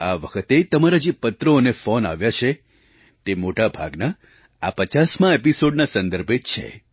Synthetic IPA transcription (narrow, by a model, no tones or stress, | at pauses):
aʋəkʰət̪et̪əmaɾad͡ʒepət̪ɾəonefona̰ʋjat͡ʃʰe | t̪emoʈabʱa̰ɡna | apət͡ʃasmãepisoɖnasə̃nd̪əɾbʱet͡ʃʰḛ